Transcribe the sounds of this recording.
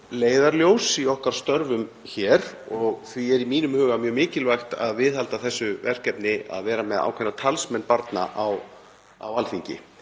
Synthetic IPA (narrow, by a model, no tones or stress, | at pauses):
leːjðaɾljoːwsiɔhkaɾ̥st̪œɾvʏm | çɛːɾ | ɔɣθviɛɾimiːnʏmhʏːɣamjœːmɪːcɪlvajxt̪a̰ðvɪðhalt̪aθɛsːʏvɛr̥kɛpnɪa̰ðvɛːɾamɛða̰ːwkʰvɛnat̪ʰalsmɛnːpaɾt̪na̰ʔaw | a̰walθiɲcɪ̰